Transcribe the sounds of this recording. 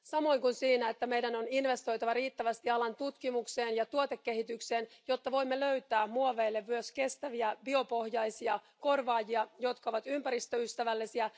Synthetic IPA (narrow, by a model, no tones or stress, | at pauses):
sɑmo̞jŋkunsiːnæet̪ːæme̞jdæno̞ninʋe̞st̪o̞jt̪ɑʋɑriːt̪ːæʋæst̪iɑlɑnt̪ut̪kimukse̞ːnjɑt̪uot̪e̞kːe̞ɦit̪ykse̞ːnjo̞t̪ːɑʋo̞jmːeløɥt̪æːmmuoʋe̞ːlːeʋːyøske̞st̪æʋiæbio̞po̞hjɑjsiɑ | ko̞rʋɑːjiɑjo̞t̪kɑoʋɑt̪ympæɾist̪øyst̪æʋælːisiæ